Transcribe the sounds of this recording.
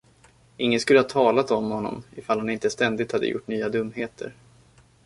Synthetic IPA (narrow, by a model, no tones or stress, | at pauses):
ɪŋːənskɵləhaːt̪ʰɑːlat̪ɔmhɔnːɔ̰mɪfalhanɪnt̪əst̪ɛnd̪ɪt̪had̪ːə̰jʊ̰ʈːnyːad̪ɵmːheːt̪ʰə̰ɾ